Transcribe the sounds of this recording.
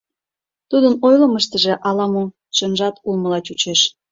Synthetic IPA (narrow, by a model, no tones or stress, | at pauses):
t̪ud̪ənojləməʃt̪ə̆ʒĕʔɑlɑmo | ʃənʒɑt̪ulmə̆lɑt͡ɕut͡ɕeʃ